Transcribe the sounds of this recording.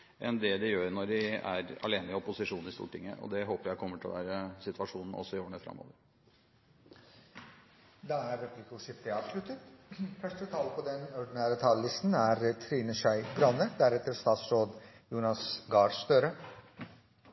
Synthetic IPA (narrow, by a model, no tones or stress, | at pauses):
ʔɛ̰nd̪ɛd̪ɛjøːɾnɔʋɪæ̰ɾɑ̰leːnəɪɔpʊsɪʂuːnɪst̪ṵːʈʰɪŋːə̰ʔɔ̰d̪ɛɦoːpəɾjæɪkʰɔmːəʈʰɪlɔ̰ʋæːɾəsɪt̪ʰʋɑʂuːnn̩ɔ̰sːɔɪjoːɳəfɾɑ̰mːo̰ːʋəɾ | d̪ɑːæɾːɛpʰliːkəʂɪft̪ɪɑːʋslʉt̪ət̪fœʂʈət̪ʰɑːlpʰɔd̪ɛnɔɖ̪ɪnæːɾət̪ʰɑːləlɪst̪n̩æɾt̪ʰɾiːnəʃœɪbɾɑnəɾd̪æɾɛt̪əɾst̪ɑːt̪sɾoːd̪ | juːnɑsɡɑːɖst̪øːɾə